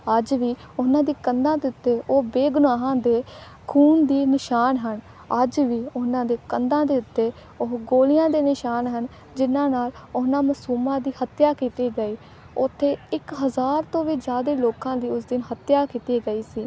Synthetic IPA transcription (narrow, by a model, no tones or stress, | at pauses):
əd͡ʒʋiː | ʊnãːd̪iːkənd̪ãːd̪eːʊt̪ːeːʔoːbeːɡʊnaːɦãːd̪eː | kʰuːnd̪iːnɪʃaːnɦən | əd͡ʒʋiːʊnãːd̪eːkənd̪ãːd̪eːʊt̪ːeː | ʊɦɡoːlɪjãːd̪eːnɪʃaːnɦən | d͡ʒɪnãːnaːlʊnãːməsuːmãːd̪iːhət̪jaːkiːt̪iːɡəiː | ʊt̪ʰːeːɪkɦəzaːɾt̪õːʋiːd͡ʒaːd̪eːloːkãːd̪iːʊsd̪ɪnɦət̪jaːkiːt̪iːɡəiːsiː